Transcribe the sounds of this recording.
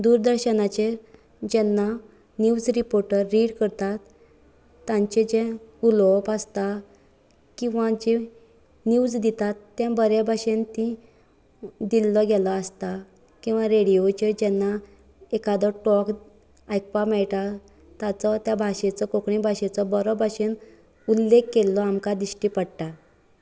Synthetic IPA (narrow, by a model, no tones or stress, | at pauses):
d̪uːɾd̪əɾɕənat͡ɕe | d͡ʑɛnːa | nuwd͡zɾipoɾʈəɾːiɽkəɾt̪at̪ː | ãɲt͡ɕed͡ʑẽulɔpəst̪a | kĩw̃ʋad͡ʑe | nuːd͡zd̪it̪at̪ːjɛ̃bəɾjabʱaɕẽnt̪ĩ | d̪ilːɔɡɛlɔast̪a | kĩw̃ʋãɾeɽijot͡ɕed͡ʑɛnːa | ekad̪ɔʈɔk | ajk̚pamɛɭʈ̪a | t̪at͡sɔt̪jabʱaɕẽt͡sɔkokɳĩbʱaɕẽt͡sɔbɔɾɔbʱaɕen | ulːekːelːɔamkad̪iɕʈipəɽʈ̪a